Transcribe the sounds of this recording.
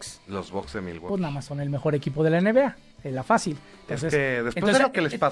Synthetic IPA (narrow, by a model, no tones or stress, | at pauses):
kslozβokzðemḭlwo̰pweznaðamasːonelme̞xo̞ɾekipo̞ð̞e̞laeneβea | ezlafasil | nt̪oesnseseðespw̪oszelokelespa